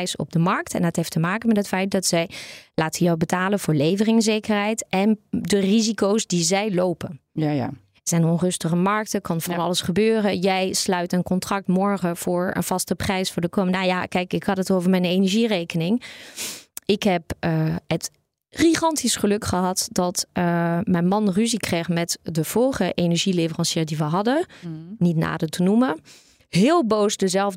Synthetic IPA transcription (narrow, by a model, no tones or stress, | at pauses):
jsɔ̰b̚dəmɑɹk̚tɛ̰ndətɦejftəmaːkənmɛtɦətfɛjt̚dɑtsɛjlaːtənjɔwbətaːlənvʊːɹlejvərɪŋzejkəɹɦɛjtʔɛndərizikowsdizɛjlowpən | ɛɹz̥ɛjnɔnrɵstəχəmɑɹk̚təkɑnvɑnɑləsχəbøːrəjɛjslœɥtənkɔntrɑk̚tmɔɹχəv̥ʊːɹə̰nv̥ɑstəprɛjsfʊːɹdəkomənaja̰kɛjkɪkhɑtətowvəɹmɛjnenɛɹʒirejkənɪŋ | ɪkɦɛpət | χiχɑntʰisχəlɵkχəɦɑtdɑt | mɛjnmɑnryzikrejχmɛtdəv̥ɔlˠχəʔenɛɹʒilevərɑnsiːɹdiʋəɦɑdənitna̰ːdətʰənumə | ɦɪːlˠbowsdəzɛlˠf